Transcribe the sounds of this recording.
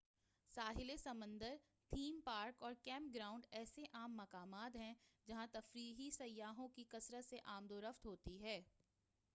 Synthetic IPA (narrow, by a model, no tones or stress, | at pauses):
saːɦɪlesɐmə̃nd̪əɾ | t̪ʰiːmpaːɾkɔːɾkɛ̃ːmp̚ɡɾaːʊ̃ɳɖɛːseʔaːmːɐkaːmaːt̪ɦɛ̃d͡ʒɐɦãt̪ɐfɾiːɦisɐjːaːɦõkikɐsɾəseʔaːmd̪oːɾəft̪ɦoːt̪iɦɛː